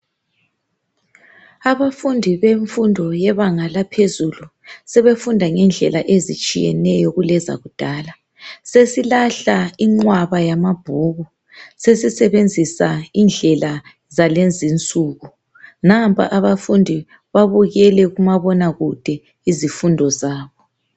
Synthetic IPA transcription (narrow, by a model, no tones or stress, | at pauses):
aβafundʱiβeɱfundʱɔjɛβaŋalapʰezulusɛβefundʱaŋɛnd͡ɮʱɛlaʔezit͡ʃʼijɛ̰nɛjɔɣulɛza̰ɣud̥ʱaːla | sesilaɬaiŋ͡ǃwaβajamab̥ʱuɣu | sesisɛβend͡zʱisaind͡ɮʱɛla | zalend͡zint͡sʼuːɣu | nampʰʼa̰ʔaβafundʱi | βaβuɣɛlɛɣumaβɔnaɣud̥ʱɛ | izifundʱɔzaːβɔ